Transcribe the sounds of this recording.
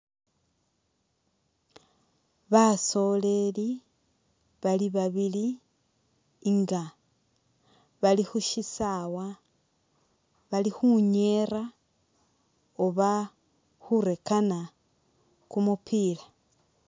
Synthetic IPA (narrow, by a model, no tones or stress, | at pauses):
βaso̞le̞li | βaliβaβili | ŋɡa | βalixuʃisawa | βalixuɲe̞ra | oβa | xuɾe̞kana | kumupʰila